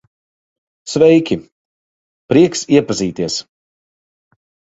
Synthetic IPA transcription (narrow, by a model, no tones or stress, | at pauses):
svɛjkʲi | pɾiɛksiɛpaziːt̪iɛs